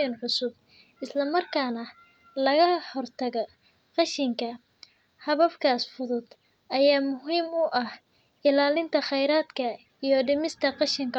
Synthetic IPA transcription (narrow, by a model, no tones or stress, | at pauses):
ɐnʕʊsʊb̚ | ʔɪslɐmɐrkʰaːnɐ | lɐɣɐhɔrt̪ʰɐɣɔ | qɑʃɪŋkʰɐ | hɐβɐfkʰaːsfʊðʊd̪̥ | ʔɐjaːmʊɦiːmʊʔɐh | ɪlaːlɪnt̪ʰɐχɛjɾaːd̪kʰɐ | ijɞɖɪmɪst̪ʰɐqɑʃɪŋkʰɐ